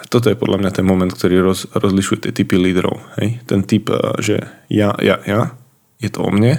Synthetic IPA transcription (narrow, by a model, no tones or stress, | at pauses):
t̪ɔt̪̬ɔjɛpɔd̪lamɲat̪ɛnmɔmɛnt̪kt̪ɔɾiːɾɔzɾɔzliʃujɛt̪ɪɛt̪ipiliːd̪ɾɔ̰ʊhɛ̰jt̪ɛnt̪ipʒɛ̰jaja̰ja | jɛt̪ɔɔ̰mɲɛ